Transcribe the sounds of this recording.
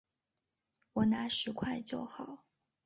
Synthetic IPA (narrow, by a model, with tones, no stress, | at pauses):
wɔ˨˩na˧˥ʂɻ̩˧˥kʰwa˥˧ɪt͡ɕjo˥˩ʊxɑ˨˩˦ʊ